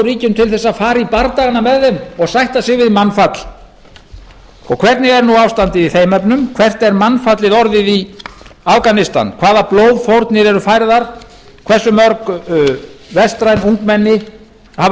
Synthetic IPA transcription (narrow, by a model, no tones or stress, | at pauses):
ɾiːcʏmt̪ʰɪlθɛsːafaːɾipaɾt̪aɣanamɛðːɛmɔɣsajht̪asɪɣvɪðmanfat̪l | ɔɣkʰvɛr̥t̪nɪɣɛɾnuawfst̪ant̪ɪðiθeːjmɛpnʏmkʰvɛr̥t̪ɛɾmanfat̪lɪðɔɾðɪði | afkanɪst̪a̰nkʰvaːðaploːwðfowɾt̪nɪɾɛɾʏfajɾðaɾ̥ | kʰvɛ̥sːʏmœɾk | vɛst̪ɾajnuŋkmɛnːɪ | ha